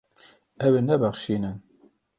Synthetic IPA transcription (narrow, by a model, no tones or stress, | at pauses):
ɛwenɛbæχʃiːnɨn